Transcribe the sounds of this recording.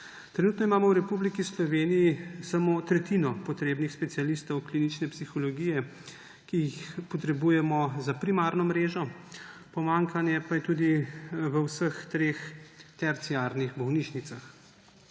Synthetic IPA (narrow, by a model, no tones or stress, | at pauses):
t̪ɾɛnuːt̪nɔimaːmɔwɾɛpublikislɔʋeːnijisamoːt̪ɾɛt̪inɔpɔt̪ɾeːbnixspɛt̪sialist̪ɔwkliːnit͡ʃnɛpsixɔlɔɡiːjɛ | kijixpɔt̪ɾɛbuːjɛmɔzapɾimaːɾnɔmɾeːʒɔpɔmaŋkanjɛpajɛt̪ud̪iʋəwsəxt̪ɾeːxt̪ɛɾt̪siaɾniɣbɔwniʃnit̪sax